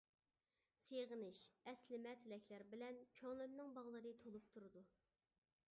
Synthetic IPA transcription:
seʁənɪʃɛslɪmɛt̪ʰɪlɛkʲʰlæɾbɪlɛnkʲʰøŋlˠømnɨŋbɑʁlˠɨɾɨt̪ʰolˠup̚t̪ʰuɾɨd̪u

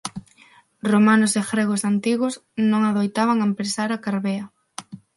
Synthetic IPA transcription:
romanʊsexɾeɣ̞osant̪iɣʊsnõŋaðojt̪aβ̞aŋaempɾesaɾakaɾβeɐ

